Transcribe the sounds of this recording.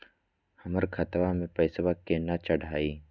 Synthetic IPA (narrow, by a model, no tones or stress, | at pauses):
hɐməɾkʰɐt̪ʋamẽpəɪsʋakenat͡ʃəɽ̤ʱaːiː